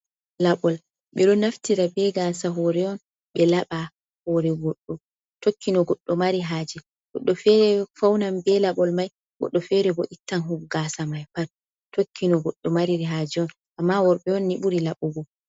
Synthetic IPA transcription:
laɓɔl | ɓɛɗɔnaftiɾabɛɡaːsaɦɔɾɛɔn | ɓɛlaɓa | hɔɾɛɡɔɗːɔ | tokːinɔɡɔɗːɔmaɾiɦaːd͡ʒɛ | ɡ̥ɔɗːɔfɛɾɛfawnambɛlaɓɔlmaj | ɡɔ̰ɗːɔfɛɾɛbɔʔitːanɦuɡɡasamajpaɾ | tokʰːinɔɡɔɗːɔmaɾiɾiɦad͡ʒɛɔn | ʔamːawɔɾɓɛɔnːiɓuɾilaɓuɡɔ

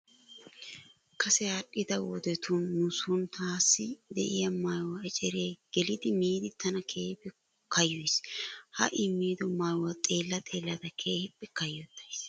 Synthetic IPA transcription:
kɐsɛaɗɪd̪ɐwɔ̰d̪ɛt̪ʰʊnːʊsʊnt̪aːsːɪd̪ɛ̰ʔɪjɐmajwɐɛt͡ʃʼɛɾeːɡ̥ɛlɪd̪ɪmiːd̪ɪt̪ːɐnɐkʰeːhɪpːɛ | kɐjːɔshɐ̰ʔɪmiːd̪ɔmaːjwɐt̪ʼe̞ːlːɐt̪ʼe̞ːlːɐd̪ɐkʰe̞ːhɪpːɛkɐjːɔt̪ːɐjs

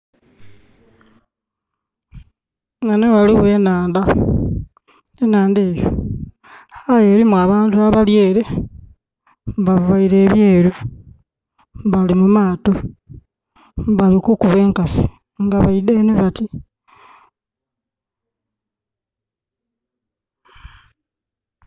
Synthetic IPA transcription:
nanewaliβwe̞ːnaːnda | enaːndeːjo̰ | hajeɾimwaβaːntuaβalje̞ːɾe̞ | mβaββaiɾe̞ːβjeːɾu | βalimumaːto | βalikukuβweːŋkasi̥ | ŋɡaβaideneβati

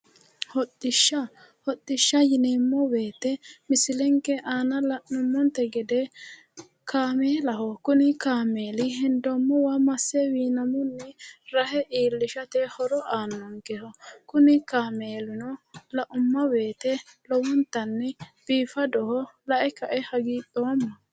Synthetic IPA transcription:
hɔtːɪʃːɐ | hɔɗ̪ːɪʃːɐjɪneːmːɔbe̞ːt̪ɛmɪsɪlɛŋkɛʔaːnɐlɐʔʊmːɔnt̪ɛɡɛd̪ɛ | kʰaːmeːlɐɦɔkʊnɪkaːme̞ːlɪɦɪnd̪ɔmːɔwamɐsːɛwiːnɐmʊnːɛɾɐhɛʔiːlːɪʃɐt̪ɛhɔɾɔʔaːnːɔŋkɛhɔkʊnɪkaːmeːlɪnɔlɐʔʊmːɐbe̞ːt̪ɛlɔwɔnt̪ːɐnːɛb̥iːfɐd̪ɔhɔlɐʔɛkɐʔɛhɐɡiːɗoːmːɐ

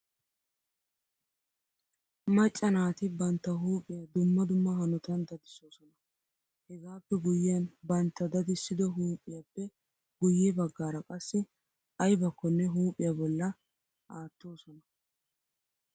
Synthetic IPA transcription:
mɐt͡ʃʼːɐnaːt̪ɪbɐnt̪ːɐɦuːpʼɪjɐd̪ʊmːɐd̪ʊmːɐhɐnɔt̪ɐnd̪ɐd̪ɪso̞ːsɔnɐ | hɛɡaːpːɛɡʊjɪjɐnbɐnt̪ːɐd̪ɐd̪ɪsːɪd̪ɔɦuːpʼːɪjapːɛ | ɡʊjɛbɐɡːaːɾɐkʼɐsːɪ | ɐjbɐkːɔnːɛɦuːpʼɪjɐbɔlːɐ | ʔaːt̪ːoːsɔnɐ

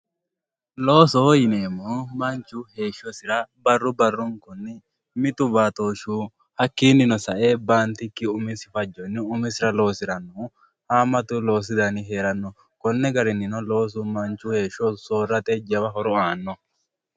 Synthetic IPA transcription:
loːsɔjɪneːmːoːmɐnt͡ʃːʊhe̞ːʃːɔsɪɾɐbɐrːʊbɐrːʊŋkʊnːɪ | mɪt̪ʊbaːt̪oːʃuː | hɐkːiːnːɪnɔsɐʔeːbaːnt̪ɪkːɪʊmɪsɪfɐd͡ʒːɔnːɪʊmɪsɪɾɐlo̞ːsɪɾɐnːɔ | haːmɐt̪ʊlo̞ːs̬ɪd̪ɐnɪɦe̞ːɾɐnːɔ | kɔnːɛɡɐɾɪnːɪnɔlo̞ːs̬ʊmɐnt͡ʃːʊhe̞ːʃɔsoːrːɐt̪ɛd͡ʒɐwɐɦɔɾɔaːnːɔ

